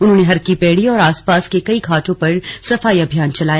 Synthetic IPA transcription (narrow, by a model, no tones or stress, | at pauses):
ʊnɦõːneɦɐɾkipɛːɽiɔːɾaːspaːskekɐikʰaːʈõpɐɾsɐfaːiɐbʱijaːnt͡ʃɐlaːjaː